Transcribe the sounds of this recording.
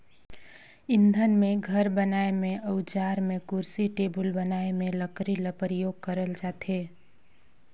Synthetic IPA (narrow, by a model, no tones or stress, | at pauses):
ɪ̃nd̪ʱənmẽɡʱəɾbənaːemẽʔəʊd͡ʒaːɾmẽkʊɾsiʈeːbəlbənaːemẽləkɾiləpəɾjoːɡ̚kəɾəld͡ʒaːt̪eː